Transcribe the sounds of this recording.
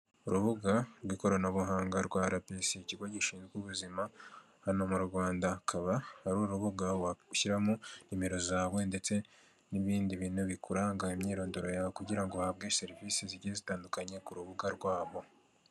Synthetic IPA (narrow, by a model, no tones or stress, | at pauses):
uɾuβuɡaɾwiko̞ɾonaβuɦaːŋɡaɾɡwaːɾapeseciɡoɟiʃiːnzɡuβuzima | hano̞muɾɡwaːndakʰaβahaɾuɾuβuɡawaʃiɾamunimeɾo̞zaːβwe̞nde̞t͡se̞ | niβiːndiβiːnuβikʰuɾaŋɡaimɲiːɾo̞ːndoɾo̞jakuɟiɾaŋɡo̞haβɡe̞se̞ɾiviːseziɟizitaːndukaɲekuɾuβuɡaɾɡwaːβo̞